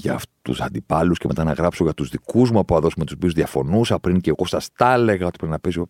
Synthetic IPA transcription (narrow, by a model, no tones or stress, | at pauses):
ʝɐ̰ft̪ṵsɐ̰nd̪ipɐlusceme̞t̪ɐnɐɣɾɐpso̞ʝɐt̪uzðikuzmuɐpuɐðo̞sumet̪usopiuzðiɐfo̞nusɐpɾiŋceɣo̞sɐst̪ɐle̞ɣɐo̞t̪i̥pɾinɐpiso